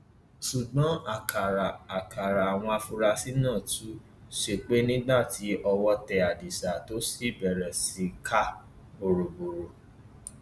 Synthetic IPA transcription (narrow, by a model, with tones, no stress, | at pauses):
su˨ɡ͡bɔ̃˨˦a˨kʰa˨ɾa˨a˨ka˨ɾa˨a˨w̃ɔ̃˧a˧fu˧ɾa˧si˦nãː˦˨tu˨˦ | ʃe˧k͡pe˦nĩ˦ɡ͡ba˦˨ti˨˦ʔɔ˧wɔ˧tɛ˧a˨di˨sa˨to˦si˦˨bɛ˨ɾɛ˨si˨˦kʰa˦ | o˨ɾo˨bo˨ɾo˨